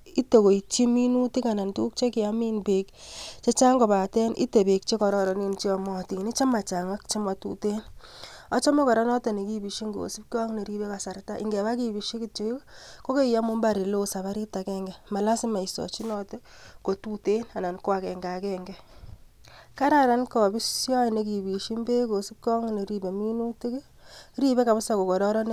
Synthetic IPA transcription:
i˦te˨ko˨i˨t͡ʃi˦mi˦nu˦ti˦ka˨na˨ntu˦k̚t͡ʃe˦kɪ˨a˦mi˦nbe˨kt͡ʃe˦t͡ʃa˦ŋɡɔ˨pa˨tɛ˦nʔḭ˦te˨be˨k̚t͡ʃe˦kɔ˨ɾɔ˦ɾɔ˨ni˦nt͡ʃi˦ɔ˨mɔː˦ti˨ni˦t͡ʃa˦ma˨t͡ʃa˨ŋa˦kt͡ʃe˦ma˨tṵ˨te˦nɔ˦t͡ʃɔ˦me˦kɔ˨ɾɔ˦nɔ˦te˨ne˨ki˦˨bi˨ʃi˦ŋɡo̰˨si˦p̚kɔ˦ŋne˨ɾi˦be˦ka˨sa˨rta˦ʔɪ̰˨ŋɡɛ˨βa˦ki˨bi˨ʃi˦ki˦t͡ʃe˨i˦kko˦ke˦i˨ja˦mʊ˦mba˦˨ɾi˨lo˦sa˨βa˦ɾi˦ta˨kɛ˦ŋɡɛ˨ma˨la˦si˦ma˨i˨sɔ̰˨t͡ʃi˦nɔ˦te˦ko˨tu˦te˦na˨na˨nkwa˨kɛ˨ŋɡa˨kɛ˦ŋɡɛ˦ | ka˦ɾa˨ɾa˨˦nkɔ˨bi˦sjɔ˦˨ne˨ki˨bi˨ʃi˦mbe˦ko˨si˦p̚kɔ˦ŋne˨ɾi˦be˨mi˦nu˦ti˦kɪ˦ | ɾi˦be˦ka˨βɪ˦sa˨ko˨kɔ˨ɾɔ˦ɾɔ˦n˦

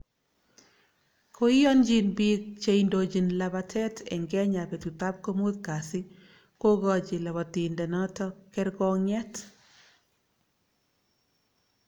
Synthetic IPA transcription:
kʰo˦ɪ˦jɔ˦nd͡ʒi˦nbi˦k̚t͡ʃe˦i˨ndo˨d͡ʒi˨nla˨ba˨tʰɛ˦tʰɛ̰˨ŋɡɛ˦ɲa˨pe˨tu˨t̪a˦p̚ko˦mo˦t̪ka˨sɪ˦ | ko˦ɡɔ˦d͡ʒɪ˨la˨bɔ˨t̪i˨ndɛ˨nɔ˦tɔ˦kɛ˦ɾɡɔ˦ŋɛ˦t

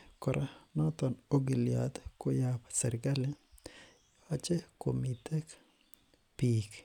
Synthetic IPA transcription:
kɔ˨ɾʔa˦nɔ˦t̪ɔno˦ɡi˨lja̰t̪ko˦japsɛɾɡa˦le˦ | ɔ˦t͡ʃe˦ko˨mit̪ɛ˦k | pik

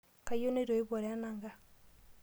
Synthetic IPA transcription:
ka˨jo˦ne˦ɾo˨e˦βo˨ɾea˦naː˨ŋɡa˦

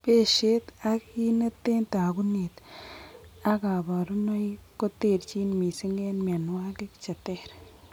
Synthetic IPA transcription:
pe˦˨ʃe˦ta˦ki˦nɐ˦te˦nta˨ku˦ne˨t | a˦ka˨ba˨ɾu˦ma˦jko˦te˦˨ɾt͡ʃi˦nmi˨si˦ŋɡɛ˦nma˨nwa˦ki˦kt͡ʃa˨tɛ˦ɾ

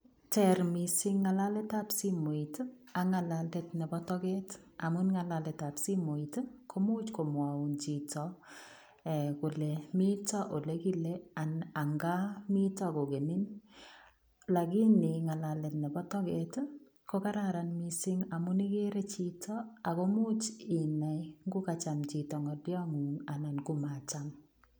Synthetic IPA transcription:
tɛɾmisɪŋːa˨la˦le˦tapsimo˨it | a˨ŋa˨la˨letnɛ˨bɔtɔ˦kɛ˦t | a˨mʊnŋa˨la˨lɛ˨tapsi˦mo˨itkʰo˦mu˦t͡ʃko˨mwaunt͡ʃitɔ | ɛkʊ˨lemi˦tɔ˦ʔo˨leki˦lea˨na˨ŋɡa˦mi˦tɔ˦˨ko˨ɡe˨ni˦n | la˨ɡɪ˦nɪ˨ŋa˨la˨lɛ˨tnɛ˨bɔ˦tɔ˦ke˦t | ko˦ka˦ɾaɾa˨nmi˦sɪ˦ŋa˨mʊ˦ni˦ke˦ɾe˦t͡ʃi˦tʰɔ˦a˨ko˦mu˦t͡ʃi˨na˨jŋɡʊ˦kat͡ʃa˨mt͡ʃi˨tɔ˨ŋɔdjɔ˦mu˨ŋa˨na˨nɡu˦ma˨t͡ʃam

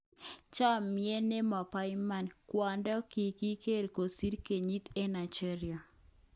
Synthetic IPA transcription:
t͡ʃa˦mje˦ne˦ma˨pa˦jma˨nkwa˨ndɔ˦ki˨ki˦ke˦ɾko˨si˦ɾke˨ɲi˦t̪e˦na˨d͡ʒɛ˦ɾɪa˨

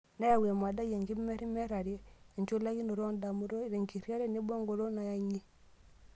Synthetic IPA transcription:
na˦ja˨we˨ma˨da˦je˨ŋɡi˦mɛ˦ɾi˦mɛ˦ɾa˨ɾje˦e˨nt͡ʃo˦la˦ki˦no˨ɾo˦nda˨mu˦ɾo˦i˨ɾe˨ŋki˨ɾja˦ɾe˦ni˦bɔ˦ŋɡo˨ɾo˦na˨ja˦ɲi˦

